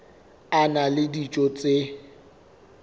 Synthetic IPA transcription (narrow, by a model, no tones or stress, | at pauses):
analɪdit͡ʃʼot͡sʼɪ